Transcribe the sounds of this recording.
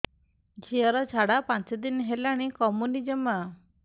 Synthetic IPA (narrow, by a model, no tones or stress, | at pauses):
d͡ʑiəɾɔt͡ʃʰaɽapat͡sed̪inɦelaɽ̃ikɔmunid͡ʒəma